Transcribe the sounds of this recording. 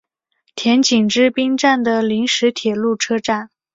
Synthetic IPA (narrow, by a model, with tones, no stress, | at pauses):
t̪ʰjɛ˧˥nt͡ɕi˨˩ŋʈ͡ʂɻ̩˥˩pi˥ŋʈ͡ʂa˥˩nd̪ə˩li˧˥ŋʂɻ̩˧˥t̪ʰjɛ˨˩lu˥˩ʈ͡ʂʰɤ˥ʈ͡ʂa˥˩n